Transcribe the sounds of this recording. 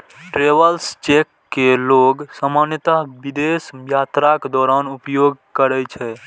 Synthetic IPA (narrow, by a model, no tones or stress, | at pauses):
ʈɾeʋəlst͡ʃekːeloɡsəmanjət̪aɦbid̪esjat̪ɾaked̪ɔːɾanupjoɡkəɾɛt͡ʃʰɛ